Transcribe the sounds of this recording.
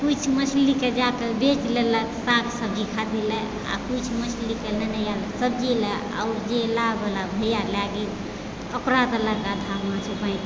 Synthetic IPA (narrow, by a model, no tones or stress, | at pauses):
kut͡ʃʰməsʰliked͡ʒakəbet͡ʃleləksaksəb̚d͡ʒikʰad̪ilɛ | a̰kut͡ʃʰmət͡ʃʰlikenənəjaləsəb̚d͡ʒelɛ | a̰uɾd͡ʒelabəlabʱəjalaɡel | əkɾat̪ələkad̪ʱamat͡ʃʰupaj̃